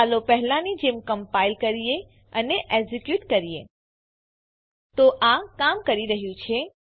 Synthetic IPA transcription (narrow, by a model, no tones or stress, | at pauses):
alopəɦlãnid͡ʒemkəmpailkəɾije | əneʔezikjuʈkəɾijḛ | t̪oʔakamkəɾiɾəɦjũt͡ʃʰe